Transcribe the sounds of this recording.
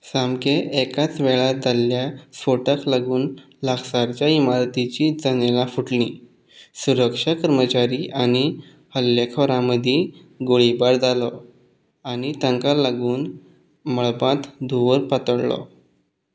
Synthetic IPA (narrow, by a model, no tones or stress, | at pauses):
samkeʔːkat͡sʋɛɭad̪alːjasfoʈəklaɡuːn | laɡsaɾt͡ɕjaimaɾt̪it͡ɕid͡zənelafuʈlĩ | suɾəkʂakəɾmət͡ɕaɾiʔañi | həljekʰəɾãməd̪ʱje | ɡoɭibaɾd͡zalɔ | añit̪ə̃ŋkalaɡuːn | məɭbãt̪d̪ʱuʋəɾpət̪əɽlɔ̰